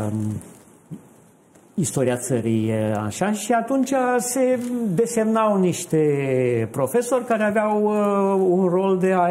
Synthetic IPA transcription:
ist̪o̞ɾiat̪səɾija̰ʃaʃiat̪unt͡ʃʲase̞d̪e̞se̞mnawniʃt̪epɾo̞fe̞so̞rʲkaɾeaveaw | unro̞ld̪ea

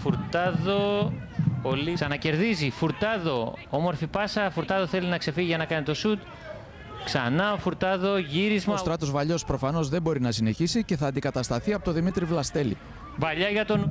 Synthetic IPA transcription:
fuɾt̪ɐðo̞ | oliksɐnɐce̞ɾðizifuɾt̪ɐðo̞omo̞ɾfipɐsɐfuɾt̪ɐðo̞θe̞linɐkse̞fiʝiʝɐnɐkɐnit̪o̞sut̪ | ksɐnɐofuɾt̪ɐðo̞ʝiɾizmɐost̪ɾɐt̪o̞zvɐʎo̞spɾo̞fɐno̞zðe̞mbo̞ɾinɐsine̞çisice̞θɐːnd̪ikɐt̪ɐst̪ɐθiɐpo̞t̪o̞ðimit̪ɾivlɐst̪e̞lḭ | vɐʎɐʝɐt̪o̞n

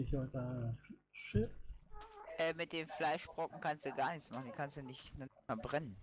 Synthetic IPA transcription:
ɪçɔta | ʃɪ | ʔɛːmɪt̚d̥eːnflaɪʃb̥ʁɔkŋ̩kʰanstd̥uɡaːɐnɪçt͡smaχn̩d̥iːkʰanstd̥unɪçnɐbʁɛnən

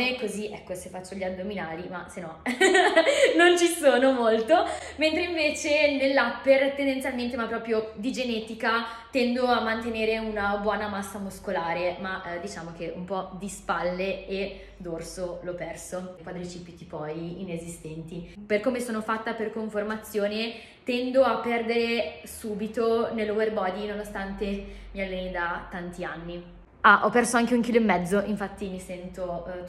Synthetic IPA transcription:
nekoziʔɛkːosefat͡ʃːoʎad̪ːominaːlimasenɔ | nont͡ʃisoːnomolt̪oment̪ɾeiɱveːt͡ʃenelːapːert̪end̪ent̪sjalment̪emapːɾɔːpɾjod̪id͡ʒenɛːt̪ikat̪ɛnd̪oamːant̪eneːɾeunabwɔːnamasːamuskolaːɾemad̪it͡ʃaːmokeʔumpɔd̪ispalːee | d̪orsolɔpɛrsokwad̪ɾit͡ʃipːit̪ipɔjinezist̪ɛnt̪iperkoːmesoːnofat̪ːaperkoɱformat̪sːjoːne | t̪ɛnd̪oapːɛrd̪eɾesuːbit̪onelːoverbɔd̪inonost̪ant̪emialːenid̪at̪ːant̪ianːi | aʔɔpːɛrsoaŋk̟euŋk̟iloemːɛd̪zːoʔiɱfat̪ːimisɛnt̪o

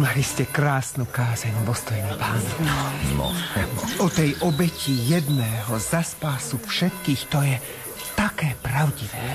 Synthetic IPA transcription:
maliscɛkɾaːsnukaːzɛɲʋɔst̪ɔjnɛpaːnɔnɔ̰ɔt̪ɛjʔɔbɛcijɛd̪nɛːɦɔzaspaːsufʃɛt̪kiːxt̪ɔjɛ | t̪akɛːpɾaʊɟiʋɛː

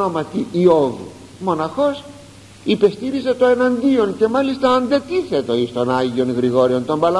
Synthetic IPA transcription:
omɐt̪iio̞vṵ | mo̞nɐxo̞s | ipe̞st̪iɾize̞t̪oe̞nɐnd̪io̞nce̞mɐlist̪ɐːnd̪e̞t̪iθe̞t̪o̞ist̪o̞nɐʝio̞nɣɾiɣo̞ɾio̞nt̪o̞mbɐlɐ

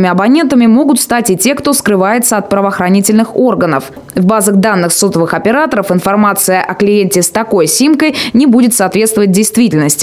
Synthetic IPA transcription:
mʲɪɐbɐnʲe̞nt̪əmʲɪmo̞ɡʊt̪st̪atʲɪtʲe̞kt̪o̞skɾɨvajɪt̪səɐt̪̚pɾəvəːxɾɐnʲitʲɪlʲnɨxo̞rɡənəf | vbazəxd̪anːɨxsot̪əvɨxɐpʲɪɾat̪əɾəfɨnfɐrmat̪sɨjəʔɐklʲɪjenʲtʲɪst̪ɐko̞jsʲimkəjnʲɪbudʲɪt̪saːt̪vʲet̪st̪vəvət̚ʲdʲɪjst̪vʲitʲɪlʲnəsʲtʲ

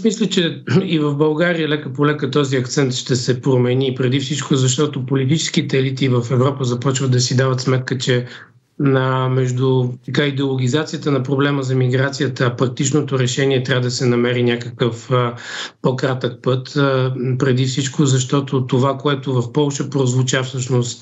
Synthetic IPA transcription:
asmislʲət͡ʃɛivəvbɐlˠɡaɾijəlɛkəpolɛkət̪ɔziɐkt̪sɛnt̪ʃt̪ɛsɛpɾomɛnipɾɛd̪ifsit͡ʃkozɐʃ̬t̪ɔt̪opolit̪it͡ʃɛ̥sk̟it̪ɛɛlit̪ivəfɛvɾɔpəzɐpɔt͡ʃvət̪d̪ɐsid̪avət̪smɛt̪̚kət͡ʃɛ | əmɛʒd̪ʊt̪ɐkaid̪ɛolˠoɡ̟ʲizat̪sijət̪ənɐpɾoblɛməzɐmiɡɾat̪sijət̪əːpɾɐk̚t̪it͡ʃnot̪oɾɛʃɛniɛt̪ɾʲavəd̪ɐsɛnɐmɛɾinʲakəkəf | pokɾat̪ək̚pɤt̪pɾɛd̪ifsit͡ʃkozɐʃt̪ɔt̪ot̪ovakoɛt̪ʊvɐfpɔlˠʃəpɾozvot͡ʃafsɤʃnost̪

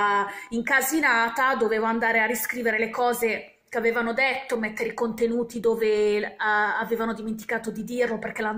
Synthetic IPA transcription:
iŋkazinaːt̪ad̪oveːvoand̪aːɾearːiskɾiːveɾelekɔːze | keaveːvanod̪et̪ːomɛt̪ːeɾeikont̪enuːt̪id̪oːve | aveːvanod̪iment̪̬i̥kaːt̪od̪id̪irloperk̟elan

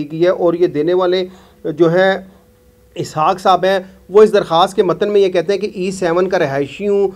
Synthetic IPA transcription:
iɡiɛʔɔːɾjed̪eːneʋaːle | d͡ʒoːɦɛ̃ | ɪsɦaːksaːbɦɛ̃ʋoɪsd̪ɐɾxaːst̪̚kemɐt̪ənmẽjekɛɦt̪ẽɦɛ̃keʔiːsɛːʋənkaɾɪɦaːɪʃiũ

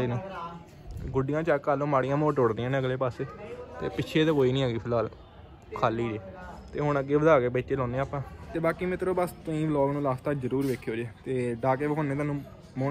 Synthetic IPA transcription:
eːnũː | ɡʊɖɪjãːt͡ʃaːkːaːlõːmaːɽɪjãːmoːʈoːɽd̪iːãːnːəɡleːpaːseːt̪ḛːpɪt͡ʃʰeːt̪eːkoːiːnĩːɦeːɡiːpʰɪlaːl | kʰaːliːɾeːt̪eːɦʊɳəɡːeːʋəd̪aːkeːbəːt͡ʃeːlɔ̃ːneːaːpãːt̪eːbaːkiːmɪt̪ɾoːbəst̪õːĩːblɔːɡnũːlaːst̪aːd͡ʒəɾuːɾʋeːkʰːjoːd͡ʒeːt̪eːɖaːkeːbəkʰoneːt̪aːnũː | mo

